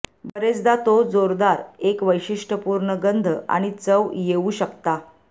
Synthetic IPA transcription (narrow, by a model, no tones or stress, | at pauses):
bəɾet͡sd̪at̪od͡zoɾd̪aɾekʋəjɕiʂʈəpuɾɳəɡənd̪ʱəa̰ɽ̃it͡səʋjeuɕəkt̪a